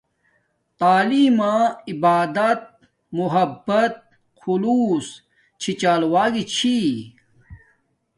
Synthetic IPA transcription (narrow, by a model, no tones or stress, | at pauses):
t̪aːliːmãːibaːd̪ɐt̪̚ | muɦɐbːɐt̪̚ | kʰuluːs | t͡ɕʰit͡ɕaːlwaːɡit͡ɕʰi